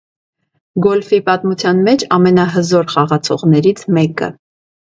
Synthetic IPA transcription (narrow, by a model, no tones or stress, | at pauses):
ɡɔlfipɑt̪mut͡sʰjɑnmɛt͡ʃʰɑmɛnɑɦəzɔɾχɑʁɑt͡sʰɔʁnɛɾit͡sʰmɛkə̰